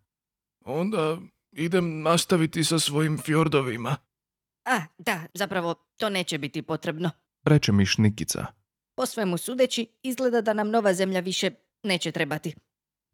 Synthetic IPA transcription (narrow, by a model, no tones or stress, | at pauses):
o̞nd̪a | id̪emnast̪aʋit̪isasʋo̞jimfjoɾd̪oʋima | ad̪azapɾaʋo̞ | t̪o̞ːne̞ːt͡ɕebit̪ipo̞t̪ɾe̞bno̞ | ɾe̞t͡ʃemiʃnikit̪sa̰ | posʋemusuːd̪et͡ɕiizɡle̞d̪ad̪anamno̞ʋaze̞mʎaʋiʃe̞ | ne̞ːt͡ɕet̪ɾe̞bat̪i